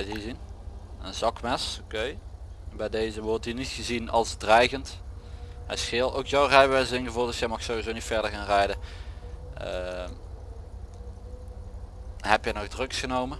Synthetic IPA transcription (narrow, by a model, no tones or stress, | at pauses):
bɛjizin | ənzɑkmɛsokejbɛjdejzəʋɔɹtinitxəzinɑlˠzdrɛjɣənt | ɦɛ̰jsxɪːlˠtowkjowrɛjʋɛjzɪnɣəvuːlˠtd̥əsjɛjmɑxsowizonitfɛɹdəɹɣaːnrɛjdə | ə | ɦɛpjəjnɔxdrɵksxənowmə